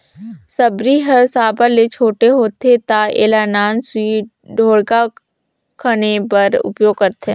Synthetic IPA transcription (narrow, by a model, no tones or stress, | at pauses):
səbɾiɦɐɾsaːbalet͡ʃʰoːʈeɦoːt̪et̪aḛːlanaːnswiː | ɖʱoːɽka | kʰənepɐɾʊ̰pjoːɡkəɾt̪ẽː